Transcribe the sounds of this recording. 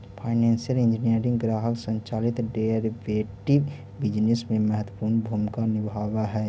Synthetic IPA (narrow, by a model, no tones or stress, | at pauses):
pʰaːɪnɛ̃ːnsijəlɪ̃ɲd͡ʒinijəɾɪ̃ŋɡɡɾaːɦəksə̃ɲt͡ʃaːlɪt̪ɖeɾiʋeːʈi | bɪd͡ʒnɪsmẽmɛɦət̪wə̥puːɾnbʱuːmkanɪbʱaːwaɦɛː